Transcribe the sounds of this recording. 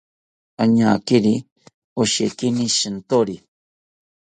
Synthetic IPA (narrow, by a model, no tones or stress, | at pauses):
aɲakiɾi | oʃekiniʃɨnt̪oɾi